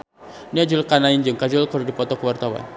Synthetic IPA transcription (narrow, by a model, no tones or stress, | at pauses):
niad͡ʒʊlkanaind͡ʒɨŋkad͡ʒʊlkəɾudipɔt̪ɔkəwart̪awa̰n